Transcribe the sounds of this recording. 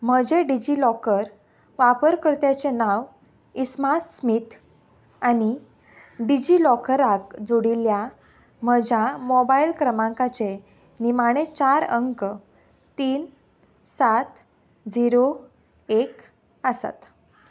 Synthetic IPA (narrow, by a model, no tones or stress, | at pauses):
m̤əd͡ʑeɖid͡ʑilɔkəɾ | ʋapəɾkəɾt̪jat͡ɕenaʋ | ismassmit̪ʰ | añi | ɖid͡ʑilɔkəɾakd͡zoɽilja | məd͡ʑamɔbailkɾəmãŋkat͡se | nimaɽ̃et͡ɕaɾəŋk | t̪iːn | sat̪ | d͡ziɾo | ek | əsa̰t̪